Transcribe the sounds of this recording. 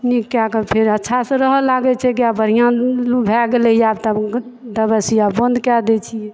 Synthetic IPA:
nikːakəpʰeɾətːʃʰasə̃ɾəɦəlaɡɛt͡ʃʰɛk̬iabəɾ̤ijãlubʱɛɡelɛjabt̪əd̪əbəsijabond̪kɛd̪ɛt͡ʃʰiɛ

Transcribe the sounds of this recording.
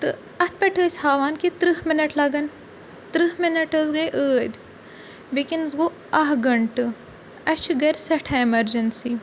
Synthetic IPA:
t̪ɨ | ɐt̪̚ʰpɐʈʰosʲhaːʋaːnkit̪ɾɨhminɐʈlɐɡɐn | t̪ɾɨɦminɐʈɐzɡɐjʔəːd̪ | bikinzɡo | ɐɦɡɐɳʈɨ | ɐt͡ʃʰuɡɐɾʲsɐʈʰɐimɐɾd͡ʒɐnsi

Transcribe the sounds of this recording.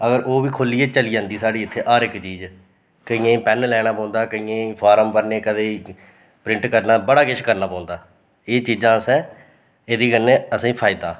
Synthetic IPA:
əɡəɾʔoːʋiːkʰolːiːeːt͡ʃəliːd͡ʒãːnd̪iːsaːɽiːɪt̪ʰːeːʔaːɾɪkt͡ʃiːd͡ʒ | kəĩːẽːpɛnlɛːɽ̃aːpãːnd̪aːkəĩːẽːpʰaːɾəmpəɾneːkəd̪eː | pɾɪ̃ɳʈkəɾnaːbəɽaːɡɪʃkəɾnaːpãːʊ̃nd̪aː | eːt͡ʃiːd͡ʒãːsɛ̃ː | eːd̪iːkənẽːəsĩːpʰaːɪd̪aː

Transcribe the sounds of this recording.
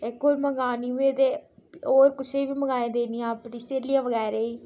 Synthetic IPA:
ɪkoːɾməɡaːniːuẽt̪eːoːɾkʊt͡ʃʰeiːʋiːməɡaːẽːd̪eːnijãːpniːseːliãːʋəɣɛːɾeːiː

